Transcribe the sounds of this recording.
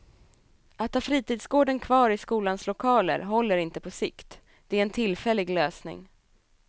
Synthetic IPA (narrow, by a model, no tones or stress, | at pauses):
ʔat̪ʰhɑːfɾiːt̪iːd̪sɡoːɖənkʰvɑːɾɪskuːlanslʊkʰɑːlə̰ɾɦɔlːəɾɪnt̪əpʰɔsɪkt̪ | d̪̥ɛæɾɛnt̪ʰɪlːfɛlːɪɡløːsnɪ̰ŋ